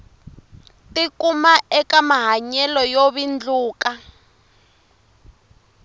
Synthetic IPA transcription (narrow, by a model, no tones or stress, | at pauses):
tikumaʔɛkamaɦaɲɛlɔjoβind͡ɮuːka